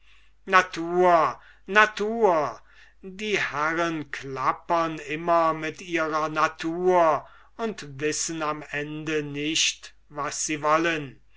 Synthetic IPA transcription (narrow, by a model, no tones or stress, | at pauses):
natʰuːɐ | natʰuːɐ | diːhæʁənkʰlapɐnɪmɐmɪtiːʁɐnatʰuːɐ | ʊntvɪsənamɛndənɪʃt | vasz̥iːvɔlən